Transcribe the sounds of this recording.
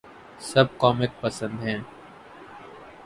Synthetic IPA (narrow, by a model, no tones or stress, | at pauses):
sɐb̚kɔːmɪk̚pɐsə̃nd̪ɦɛ̃ː